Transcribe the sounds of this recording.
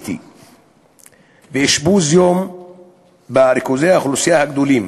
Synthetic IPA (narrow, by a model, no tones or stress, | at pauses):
t̪ʰḭ | beːʃbuzjom | baɾikozeaxulusijahaɡd̪ulim